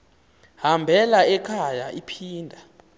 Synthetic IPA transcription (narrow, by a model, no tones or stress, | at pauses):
hambʱɛlaɛkʰajaipʰiːndʱa